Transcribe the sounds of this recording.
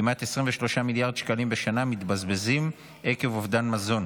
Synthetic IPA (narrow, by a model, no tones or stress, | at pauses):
imat̪esʁiɱveʃlo̞ʃamiljaʁd̪ʃkalimbeʃanamit̪bazbezim | ʔeke̞vovdanmazo̞n